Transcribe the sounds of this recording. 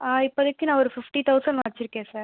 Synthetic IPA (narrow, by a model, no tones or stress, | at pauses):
aːɪpːoɐðɯkːɯnãːɔɾɯfɪfʈit̪ɐʊsɐɳɖmɐɾɪt͡ʃːɪɾɯkːẽːsaːɾ